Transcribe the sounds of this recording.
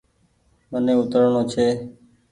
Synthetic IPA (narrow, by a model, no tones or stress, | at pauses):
mənẽːʊt̪əɾɳoːt͡ʃʰeː